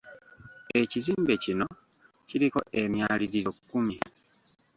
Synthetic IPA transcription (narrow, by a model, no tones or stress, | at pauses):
e̞ciziːmbe̞cino̞ | ciɾiko̞̰ʔe̞mjaːliɾiɾokːumi